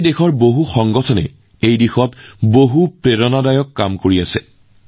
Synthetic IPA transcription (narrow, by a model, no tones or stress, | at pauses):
dexɔɹboɦuxɔŋɡɔtʰɔnɛ̰ | ejdixɔtboɦupɹeɹɔnadajɔkːamkoɹiasɛ̰